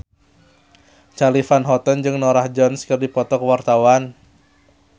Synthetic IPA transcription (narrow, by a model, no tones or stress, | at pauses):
t͡ʃalifanɦɔt̪ɔnd͡ʒɨŋnɔɾahd͡ʒɔnskɨrdipɔt̪ɔkəwart̪awan